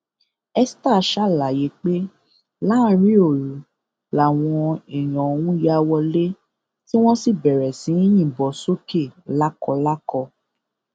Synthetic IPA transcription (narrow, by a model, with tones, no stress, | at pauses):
ɛ˧sta˦˨˦ʃa˦la˨je˨˦k͡pe˦ | la˦ɾ̃ĩ˦o˦˨ɾu˨ | la˨w̃ɔ̃˧ɛ˨j̃ɔ̃˨o˧wũ˦ja˧˦wɔ˧le˦ | ti˦w̃ɔ̃˦si˦˨bɛ˨ɾɛ˨sĩ˨˦i˦j̃ĩ˦˨bɔ˨˦so˦ke˦˨la˦kɔ˧la˦kɔ˧